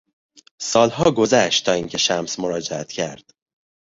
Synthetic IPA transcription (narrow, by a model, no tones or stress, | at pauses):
sɒːlɦɒːɡo̞zæʃt̪t̪ʰːɒːiŋcʰe̞ʃæmsmoɾɒːd͡ʒeæt̪cʰæɾd̪̥